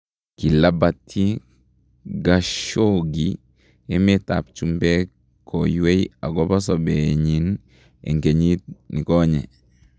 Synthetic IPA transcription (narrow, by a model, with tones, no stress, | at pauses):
ki˨la˦batʰːi˦ | ɡaʃoɡi | e˦meta̰˨pt͡ʃumbɛ˦ | kʰːoju˦we˦ja˨ɡɔ˦ba˦sɔbeɲin | ḛ˨ŋke˨ɲi˦t̚ni˨kɔɲɛ